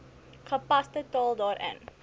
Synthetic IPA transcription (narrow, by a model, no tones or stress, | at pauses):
χəpɐstətɑːlˠdɑːɾʔə̰n